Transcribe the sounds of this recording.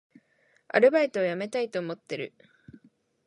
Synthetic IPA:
a̰ɾɯ̟bait̪o̞ːjame̞t̪ait̪oːmo̞t̪ːe̞ɾɯ̟̰

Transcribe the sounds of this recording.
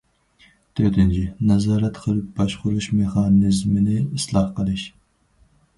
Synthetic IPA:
t̪ʰøt̪ɪnt͡ʃʰɪnɛzɑːɾɛt̪qʰəlˠɨp̚bɑʃχʊɾuʃmɪχɑːnɪzmɪnɪislˠɑhqəlˠɨʃ

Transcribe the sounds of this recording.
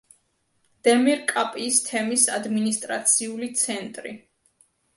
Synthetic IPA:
d̪̥ɛmiɾkʼapʼiːst̪ʰɛmisad̪minist̪ʼɾat̪sʰiulit̪sʰɛnt̪ʼɾḭ

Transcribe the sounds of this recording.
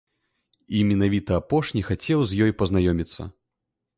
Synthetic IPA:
imʲɛnavʲit̪ɐːpɔʂnʲixat͡sʲɛwzʲjɔjpɐznajɔmʲit̪sːɐ̰

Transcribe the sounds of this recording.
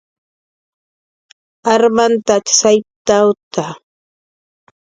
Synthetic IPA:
aɾmant̪at͡ʃsajp̚t̪awt̪a

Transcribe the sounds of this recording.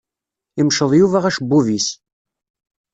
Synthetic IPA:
imʃəðˤjuvæʁæʃbːuvis

